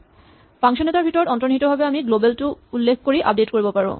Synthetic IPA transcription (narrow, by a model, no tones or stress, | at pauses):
paŋʃonet̪aɾbʱitoɖɔnt̪ɾoniɦit̪obʱabeamiɡlobelʈuulːekʰkoɾiʔa̰p̚ɖetkoɾibopaɹo̰